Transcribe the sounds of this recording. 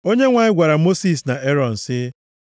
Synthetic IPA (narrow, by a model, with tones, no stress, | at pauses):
o˦ɲe˦ŋʷa˨ɲɪ˦ɡʷa˨ɾa˨mo˦si˨sna˨e˦ɾɔ˨n̩˨sɪ˦